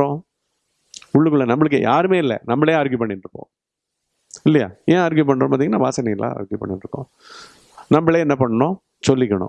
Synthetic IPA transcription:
ɾõː | ʊɭːɯkːɯɭːɐnɐmːɐɭɯkːɯjaːɾɯmeːɪlːɛ̰nɐmːɐɭeɐɾɡjupɐɳːɪnɾɯkːõ̰ː | ɪlːɐja̰ːẽːɐɾɡjup̬ɐɳːɾõːpaːt̪iŋɐnaːʋaːsɐnɐɪlːʔã̰ːɐ̰ɾɡjupɐ̰ɳːɪnɾɯkːõ̰ː | nɐmbɐɭeːɛnːɐpɐɳːɐnõː | sɔlːɪkːɐɳʊ̰̃

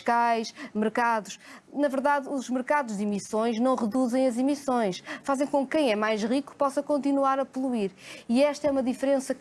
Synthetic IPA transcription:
ʃkajʃmɨɾkaðuʃnɐvɨɾðaðuʒmɨɾkaðuʒðimisõj̃ʒnɐ̃w̃ʁɨðuzɐ̃j̃ɐzimisõj̃ʃfazẽj̃kõk̚ːɐ̃j̃ɛmajʃʁiku̥pɔsɐkõnt̪inwaɾɐpulˠuiɾiɛʃt̪ɐɛumɐðifɾẽsɐk

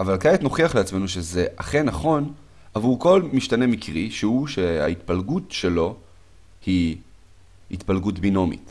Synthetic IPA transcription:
avalkajetno̞χiaχleat͡sme̞nuʃeze̞ʔaχenaχo̞n | avuʁko̞lmiʃtane̞mikʁiʃeuʃea̰it̪palɡutʃe̞lo̞ | hi | it̪palɡutbino̞mḭt

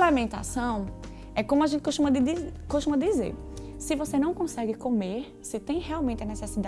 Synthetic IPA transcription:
lamẽnt̪a̰sɐ̃w̃ | ɛkõmʊaʒẽt̪ɪkoʃt̪ũmɐd̪ɪd̪ikoʃt̪ũmɐd̪ɪizḛɾ | sɪvosenɐ̃w̃kõsɛɡɪkõmeɾ | sɪt̪ẽj̃hɛawmẽnt̪ɪɐnɛsɛsid̪a

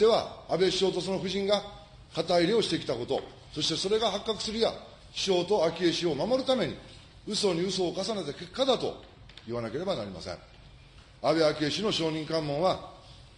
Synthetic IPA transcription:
d̪e̞βa̰ːbe̞ɕo̞ːt̪o̞sono̞ɸɯ̟ʑĩŋɡa | kat̪aiɾeo̞ɕi̥t̪e̞kʲi̥t̪ako̞t̪o̞̰ | so̞ɕi̥t̪e̞so̞ɾe̞ɡaɦakːakɯ̟̥sɨɾɯ̟ja̰ | ɕo̞ːt̪o̞akʲeɕio̞mamo̞ɾɯ̟t̪ame̞ɲ̟ḭ | ɯ̟so̞ɲ̟iɯ̟so̞ːkasane̞t̪ake̞kːad̪at̪o̞̰ | iβanake̞ɾe̞bana̰ɾʲima̰sḛ̃ŋ̃ | abe̞akʲe̞ɕino̞ɕo̞ːɲ̟ĩŋkãmːõ̞ɰ̃βa

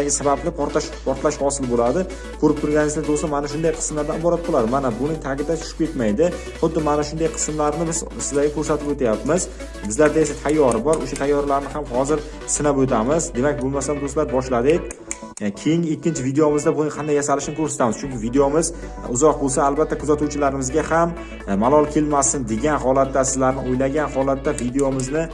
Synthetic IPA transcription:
aɡʲɪsabablɪpʰɒɾt̪aʃpʰɒɾt̪laʃhɒsɪlɪbolad̪ɪ | kʰɵɾɪp̚t̪ʰʊɾɡʲanɪzlad̪osamanaʃ̬ʊnd̪ajqʰɨ̥sɨmlaɾd̪anɪbɒɾat̪̚bolad̪ɪmanabʊnɪŋt̪ʰaɡʲɪd̪at͡ʃʰʊ̥ʃɪ̥p̚kʰʲet̪majd̪ɪ | χʊd̪ːɪmanaʃʊnd̪ajqʰɨ̥smlaɾnɪbɪzsɪzaɡʲakʰɵɾsat̪ɪpot̪ʰajapmɪz̥ | bɪzlaɾd̪aesat̪ʰajːɒɾɪbɒɾo̰ʃat̪ʰajːɒɾlaɾnɪhamhɒzɪɾ | sɪnabɵt̪ʰamɪzd̪e̞mak̚ʲbolˠmasamd̪oslaɾ̚bɒʃlad̪ɪkʲ | kʲʰejɪŋɪkʲːɪnt͡ʃʰɪvid̪ejomɪzd̪abʊnɪŋqʰɑnd̪ajasalɪʃnɪkʰɵɾsat̪ʰamɪz̥t͡ʃʰʊŋkʲɪvid̪ejomɪz | ʊzɒq̚bolˠsaːlˠbat̪ʰːakʰʊzat̪uwt͡ʃʰɪlaɾɪmɪzɡʲaham | malˠɒlˠkʲʰe̞lmasɪnd̪e̞ɡʲanɦɒlat̪ːasɪzlaɾnɪojlaɡʲanhɒlat̪ːavid̪ejomɪznɪ

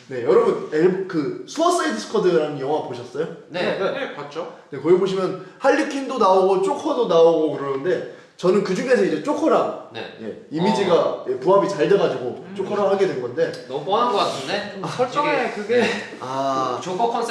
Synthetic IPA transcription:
ne̞jʌɾʌbuneɭkɯsʰɯmʌs͈aidʰɯs͈ʰɯ̥kʰʌdɯɾanɯnjʌŋwaɡpoɕʰʌs͈ʌjoneat͡ɕone̞kʌɡiboɕʰimjʌnhaʎːikʰindonaoɡot͡ɕ͈okʰʌdonaoɡokɯɾʌnɯnde̞ | t͡ɕʌnɯnkɯd͡ʑuŋe̞sʰʌid͡ʑe̞t͡ɕ͈okʰʌɾanḛje̞̰imid͡ʑiɡajepuɦabit͡ɕaɭdaɡad͡ʑiɡot͡ɕ͈okʰʌɾaɦaɡe̞dwenɡʌnde̞nʌp͈ʌnanɡʌk͈atʰɯndet͡ɕkɯɡe | at͡ɕokʰʌkʰʌns͈

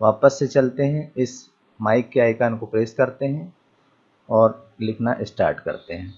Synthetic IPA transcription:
ʋaːpəsːet͡ʃɐlt̪eɦɛ̃ɪs | maːɪkːeaːɪkaːnkopɾeːskɐɾt̪eɦɛ̃ | ɔːɾlɪkʰnaʔɪsʈa̰ːɾʈkɐ̰ɾt̪eɦɛ̃ː

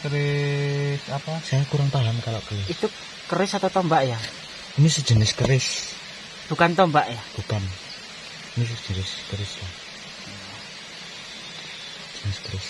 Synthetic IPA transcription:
kəɾɪ | sapasajakuɾaŋpaɦamkalɔʔkəliit̪u | kəɾɪsat̪awt̪ɔmbaʔja | inisə̥ʒ̥ə̤nɪskəɾɪs | b̥ṳkant̪ɔmbaʔjab̥ukan | inis̬ə̥ʒ̥ənɪskəɾɪslah | a | d̥d͡ʒ̥ənɪskəɾɪs

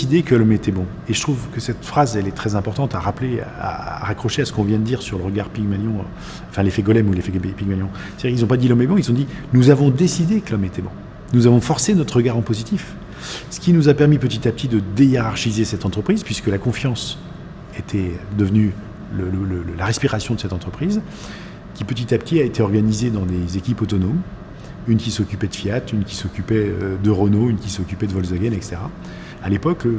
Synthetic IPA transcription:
sid̪ekəlɔmet̪ɛbɔ̃ | eʒət̪χuvkəsɛt̪fχazɛlɛt̪χɛzɛ̃pɔʁt̪ɑ̃t̪aʁaplea̰ʁakχɔʃeasə̥kɔ̃vjɛ̃d̪əd̪iʁsyʁləʁəɡaʁpiɡmaljɔ̃ | ɑ̃fɛ̃lefɛɡɔlɛmulefɛɡpiɡmaljɔ̃ | sɛd̪iʁkilzɔ̃pad̪ilɔmɛbɔ̃ilzɔ̃d̪i | nuzavɔ̃d̪esid̪ekəlɔmet̪ʰɛbɔ̃ | nuzavɔ̃fɔʁsenɔt̪χəʁəɡaʁɑ̃pozit̪if | sə̥kʲinuzapɛʁmipət̪it̪ap̚t̪ʰid̪əd̪ejeʁaʁʃizesɛt̪ɑ̃t̪χəpχizpɥiskəlakɔ̃fjɑ̃s | et̪ʰɛd̪əvny | lələləlaʁɛspiʁasjɔ̃d̪əsɛt̪ɑ̃t̪χəpχiz | kʲipət̪̬it̪apt̪ʰiaet̪eɔʁɡanized̪ɑ̃d̪ezekʲipɔt̪ɔnom | ynkʲisɔkʲypɛd̪əfiat̪ynkʲi̥sɔkʲypɛød̪əʁɔnoynkʲisɔkʲypɛd̪əvɔlzaɡʲɛnɛkse̥t̪eʁa | alepɔk

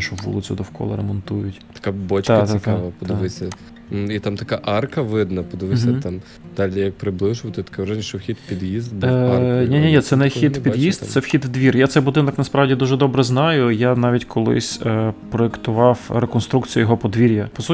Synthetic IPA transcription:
ʃɔwʋṵlˠɪt͡sʲʊd̪ɔwkɔ̰lˠɐ̰ɾɛ̰mɔnt̪ujʊt̪ʲɐ̥kabɔt͡ʃ̪at̪aʋɐpɔd̪ɪʋɪsʲɐ | it̪amt̪ɐkaʔɑrkɐʋɪd̪nɐpɔd̪ɪʋɪsʲɐɑm | d̪̥ɑlʲijɐk̚pɾɪblˠɪʒʊʋɐt̪ɪt̪ɐ̥kɛʋʒnʲiʃɛwxʲid̪pʲid̪jizt̪dnʲinʲinʲit̪sɛnɛxʲid̪pʲijist̪t̪sɛwxʲid̪d̪ʋʲirjat̪sɛjbʊd̪ɪnɐknɐspɾɑwdʲid̪uʒɛd̪ɔbɾɛznɑjʊjanɑʋʲitʲkʰɔlˠɪ̰sʲpɾɔekt̪ʊʋɑwɾekɔnst̪ɾukt͡sʲijɐjɔɦɔpɔd̪ʋʲiɾʲjɐpɔsu

